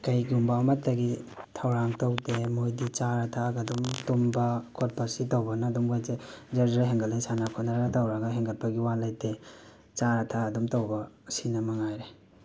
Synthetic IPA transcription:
kɐjɡiumbawmɐtːɐɡitʰɐwɾaŋtawdemojdit͡ʃaɾatʰaɡadumtumbɐkʰot̚pasitawbɐnadumɡojzed͡ʒɐɾd͡ʒeɾɦeŋɡaldejsanakʰɔnaɾɾatawɾaɡaɦeŋɡɐt̚pɐɡiwalajde | t͡ʃaɾatʰaːdumtawbɐ | sinɐmaŋajɾe

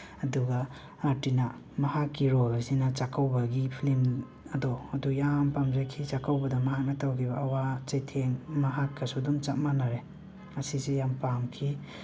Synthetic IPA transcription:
ɐduɡɐ | atina | mɐhakːiɾɔlasinɐt͡ʃakʰawbɐɡipʰilim | ɐdɔɐdujampamzakʰit͡ʃakawbɐdɐmɐɦak̚natawkʰibɐːwat͡ʃejtʰeŋmɐɦakːɐsudumt͡ʃat̚manaɾe | ɐsisijampamkʰi

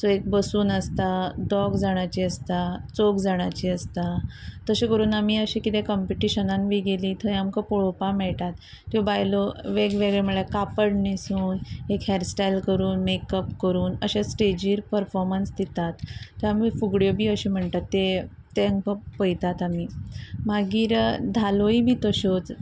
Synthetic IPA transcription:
sɔek̚bəsuːnəst̪ad̪ɔɡd͡zaɽ̃at͡ɕiəst̪at͡sokd͡zaɽ̃at͡ɕiəst̪at̪əɕẽkəɾuːnamiːəɕikit̪ẽkəmpiʈiɕənãnʋiːɡeliːt̪ʰəjamkəpɔɭopamɛɭʈ̪at̪ː | jobajlɔʋeɡʋeɡɭeməɭekapəɽnisuːnekɦɛɾsʈajlkəɾuːnmekəpkəɾuːnəɕẽsʈed͡ʑiːɾpəɾfɔɾmənsd̪it̪at̪ːəamifuɡɽjobʱiːəɕim̤əɳʈ̪at̪ːe | t̪ːeəŋkəpəjt̪at̪amiːmaɡiːɾd̪ʱaloibʱiːt̪əɕot͡s

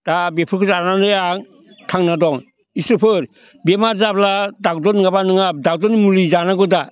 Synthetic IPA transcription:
d̥abepʰɯkʰɯzanandɯjaŋ | tʰaŋnadɔŋ | isɯpʰɯɾ | bemaɾzabladak̚dɔnŋabanɯŋap̚dak̚dɔnmulizanaɡɯda

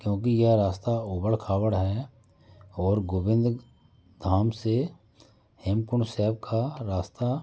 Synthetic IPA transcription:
kjõːkijɛɾaːst̪aoːbəɽkʰaːwəɽɦɛ | ɔːɾɡoːbɪ̃nd̪ɾ | d̪ʱaːmse | hɪmkʊɳsɛːb̚kʰaɾaːst̪a

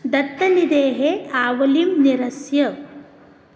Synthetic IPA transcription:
d̪ɐt̪ːɐnid̪eːɦeaːʋɐlimniɾɐsjɐ

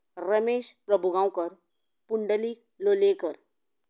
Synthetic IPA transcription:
ɾəmeːɕpɾəbʱuɡãwkəɾ | puɳɖəliː | lolekəɾ

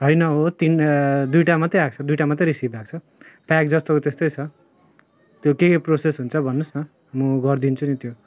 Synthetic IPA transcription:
ɦʌjnʌɦot̪ind̪ujʈamat̪eak̚t͡sʰʌd̪ujʈamat̪̬ʌɾisibak̚t͡sʰʌ | pak̚d͡zʌst̪okt̪est̪ojt͡sʰʌ | t̪jokekprosesɦunt͡sʰʌbʱʌnːusnʌ | muɡʌrd̪int͡sʰunit̪jo

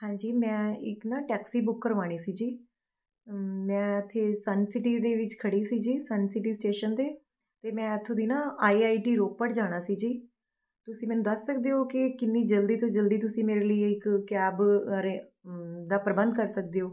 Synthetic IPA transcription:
hãːd͡ʒiːmɛ̃ːɪknãːʈɛːksiːbʊkːəɾʋaːɽ̃iːsiːd͡ʒiː | mɛ̃ːət̪ʰːeːsənsɪʈiːd̪eːʋɪt͡ʃkʰəɽiːsiːd͡ʒiːsənsɪʈiːsʈeːʃənd̪eː | t̪eːmɛ̃ːət̪ʰːõːd̪iːnãːaːiːaːiːʈiːɾoːk̚pəɽd͡ʒaːɽ̃aːsiːd͡ʒiː | t̪ʊsĩːmɛːnũːd̪əsːək̚d̪eːoːkɪkɪnːiːd͡ʒəld̪iːt̪õːd͡ʒəld̪iːt̪ʊsĩːmeːɾeːləiːɪkkɛːbɾeːd̪aːpɾəbə̃nd̪kəɾsək̚d̪eːɦoː

